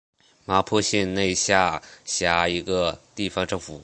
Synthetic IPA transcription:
ma˧˥pʰɔ˥˧ɕɛ˥˧nne˥˧ɪɕja˥˩ɕja˧˥i˧˥ɡə˧t̪i˥˩fɑ˥ŋʈ͡ʂɤ˥˩ŋfu˨˩˦

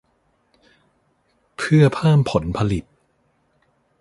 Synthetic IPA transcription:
pʰɯ˥˩ɐpʰaː˥˩mpʰo˨˩˦npʰa˧li˨˩t̪̚

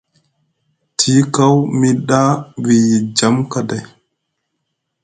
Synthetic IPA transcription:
tʰi˦ka˦wmi˦ɗa˦wi˨ji˨d͡ʒa˦mkada˨j

